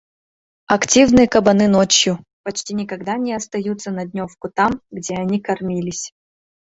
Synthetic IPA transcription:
ɐktʲivnɨjəkɐbɐnɨnot͡ɕjʊ | pɐt͡ɕtʲinʲɪkɐɡd̪anʲɪɐst̪ɐjut̪sənɐdʲnʲofkʊt̪amɡdʲeɐnʲikɐrmʲilʲɪsʲ

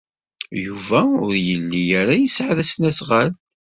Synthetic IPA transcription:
juvæʊɾjəlːijæɾæjəsʕaðæsnæsʁal

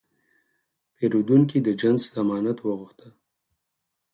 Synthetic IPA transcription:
peɾud̪uŋkid̪əd͡ʒanzzamɑnat̪wəɣʊxt̪ə

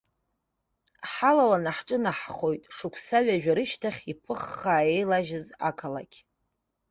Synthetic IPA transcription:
ħalalanaħʈ͡ʂʼɨnaħχo̞jtʼʂɨkʷʰsaɥaʒᶣaɾɨʃtʰaχʲipʰɨχːaːejlaʒɪza̰kʰala̰kʲʰ

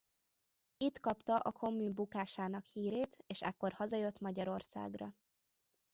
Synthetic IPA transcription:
it̪kɒpt̪ɒʔɒkʰo̞mːyːmbukaːʃaːn̪ɒkhiːɾeːt̪eːʃɛkːo̞rhɒzɒjøt̪mɒɟɒɾo̞rsa̰ːɡrɒ̰

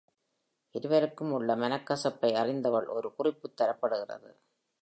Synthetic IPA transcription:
ʔɪɾɯʋɐɾɯkːɯmʊɭːɐmɐnɐkːɐsɐpːɐɪɐrɪnd̪ɐʋɐɭʔɔɾɯkʊrɪpːɯt̪ːɐɾɐpːɐɽɯɣɪrɐ̰ðɯ̰

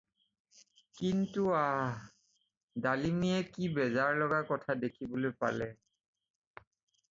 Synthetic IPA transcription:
kintua | dalimiɛkibɛzaɹlɔɡakɔtʰadekʰibolojpa̰lɛ

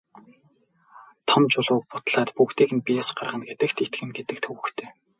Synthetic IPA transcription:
t̪ʰɔmt͡ɕʊɮʊːk̚pʊt̪ɮaːt̪pukt̪iːkɘ̆npijɔsɢarʁə̆nɡet̪ɘ̆kt̪ʰet̪ɡɘ̆nɡet̪ɘ̆k̚t̪ʰɵwɘ̆xt̪ʰeː

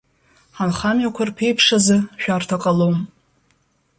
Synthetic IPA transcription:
ħanχamɥakʷʰarpʰe̞jpʰʂazɨʃᶣartʰakʼalowm

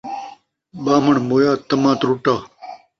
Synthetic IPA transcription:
ɓaːmɐɳmoːjaːt̪ɐmãːt̪ɾuʈaː

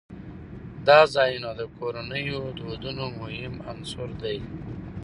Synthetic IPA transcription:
d̪ɑzɑjunad̪əkoɾanəjod̪od̪unomʊhɪmansʊɾd̪aj

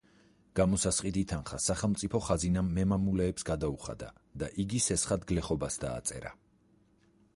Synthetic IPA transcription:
ɡ̥amɔsasχʼit̪it̪ʰanχasaχɛlˠmt̪sʼipʰɔχazinamːɛmamulɛːpsɡad̪auχa̰d̪a̰ | d̪aʔiɡisɛsχad̪ɡlɛχɔbasd̪a̰ːt̪sʼɛ̰ɾa̰

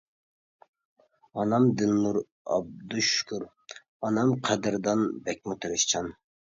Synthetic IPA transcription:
ɑnɑmd̪ɪnːuɾ | ɑ̰b̚d̪uʃkʰuɾ | ɑnɑmqʰɑd̪ɨɾd̪ɑnbɛk̚ʲmut̪ʰɨɾɨʃt͡ʃʰɑn

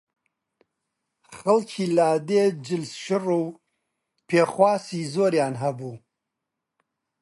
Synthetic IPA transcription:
xɐlkʰiːlaːd̪eːd͡ʒɨlsʃɪruː | pʰeːxwaːsiːzoːɾjaːnɦɐbuː

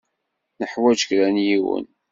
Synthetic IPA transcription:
nəħwæd͡ʒə̥kɾænjiwə̰n

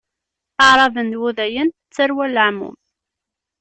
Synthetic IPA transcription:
əʕɾˤɑvənd̪wuðæjən | t͡sːəɾwæləʕmṵm

